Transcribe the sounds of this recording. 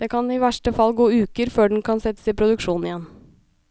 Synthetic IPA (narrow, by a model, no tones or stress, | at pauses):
d̪eːkʰɑnɪʋæʂʈəfɑlːɡoːʉːkəɾføːɖn̩kʰɑnsɛt̪ːə̥sɪpʰɾʊd̪ʉkʂuːnn̩ɪjɛn